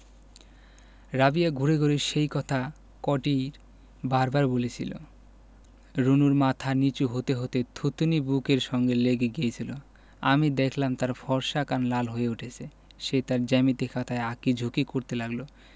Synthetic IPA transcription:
ɾabijaɡʱuɾeɡoɾeʃejkɔt̪ʰa | kɔʈiɾ | baɾbaɾbolet͡ɕʰḭlo̰ | ɾunuɾmat̪ʰanit͡ɕuɦot̪eɦot̪et̪ʰut̪unibukeɾʃɔŋɡeleɡeɡijet͡ɕʰilo | a̰mid̪ekʰlamt̪aɾfɔɾʃakanlalɦojeuʈʰet͡ɕʰe | ʃet̪aɾd͡ʑɛmit̪ekʰat̪ʰaeakid͡ʑʱukikoɾt̪elaɡlo

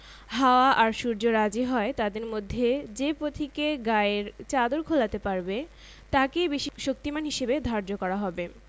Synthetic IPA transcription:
ɦaoaʔaɾʃuɾd͡ʑoɾad͡ʑiɦɔet̪ad̪eɾmod̪ʱːed͡ʑepɾot̪ʰikeɡaeɾt͡ɕad̪oɾkʰolat̪epaɾbe | t̪akejbiʃiʃok̚t̪imanɦiʃebed̪ʱaɾd͡ʑokɔɾaɦɔbe

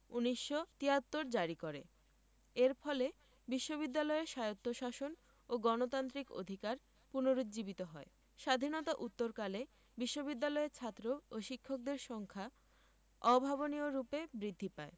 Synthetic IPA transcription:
uniʃːot̪iat̪ːoɾd͡ʑaɾikoɾḛ | eɾfɔle | biʃːoβid̪ːalɔeʃajot̪ːoʃaʃon | oɡɔnot̪ant̪ɾiko̰d̪ʱikaɾ | punoɾot̪d͡ʑibit̪oɦɔe | ʃad̪ʱinɔt̪aʔut̪ːoɾkale | biʃːobid̪ːalɔet͡ɕʰat̪ːɾooʃikʰːok̚d̪eɾʃɔŋkʰa | ɔbʱabonioɾupebɾid̪ʱːipae

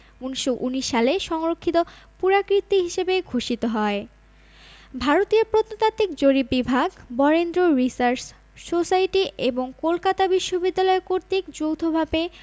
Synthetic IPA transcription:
uniʃːoʔuniʃːaleʃɔŋɾokʰːit̪opuɾakɾit̪ːiɦiʃebeɡʱoʃit̪oɦɔe | bʱaɾot̪ioɾpɾot̪ːot̪at̪ːik̚d͡ʑoɾibibʱaɡbɔɾend̪ɾoɾisaɾs | sosajʈiʔeboŋkolkat̪abiʃːobid̪ːalɔekoɾt̪ikd͡ʑowt̪ʰobʱabe

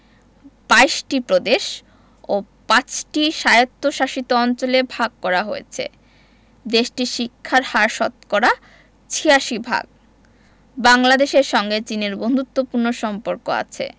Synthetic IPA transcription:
b̥ajʃʈipɾod̪eʃ | o | pat͡ɕʈiʃajot̪ːoʃaʃit̪oɔnt͡ɕolebʱaɡ̚kɔɾaɦojḛt͡ɕʰḛ | d̪eʃʈiʃikʰːaɾhaɾʃɔt̪koɾa | t͡ɕʰiaʃibʱa̰ɡ̚ | baŋlad̪eʃeɾʃɔŋɡet͡ɕineɾbond̪ut̪ːopuɾnoʃɔmpoɾkoa̰t͡ɕʰḛ

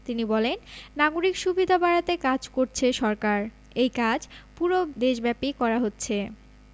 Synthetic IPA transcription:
t̪inibɔlenːaɡoɾikʃubid̪ʱabaɾat̪ekad͡ʑkoɾt͡ɕʰeʃɔɾkaɾ | ejkad͡ʑpuɾod̪eʃbɛpikɔɾaɦotːɕʰe

